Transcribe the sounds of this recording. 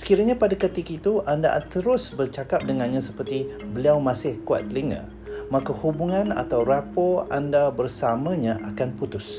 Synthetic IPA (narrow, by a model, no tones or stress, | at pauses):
sə̥kiɾaɲapadakət̪ikit̪uʔanda̰t̪əɾʊsbərt͡ʃakap̚dəŋanɲãsəpərt̪ibəliawmãsɪhkua̰t̪̚ːliŋã̰ | makahubuŋana̰t̪awrapoandabərsamə̃ɲãʔakanput̪ʊs